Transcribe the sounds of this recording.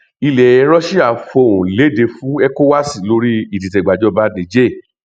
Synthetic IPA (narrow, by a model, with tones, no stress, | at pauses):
i˧lɛ˨ɛ˧ɾɔ˦ʃi˦a˨fo˧˨ũ˨le˨˦˨de˧fũ˦ɛ˦ko˦wa˦si˦˨lo˧˦ɾi˦i˨t̬i˨tɛ˨ɡ͡ba˨d͡ʒɔ˧˦ba˨˦dẽ˨d͡ʒe˦˨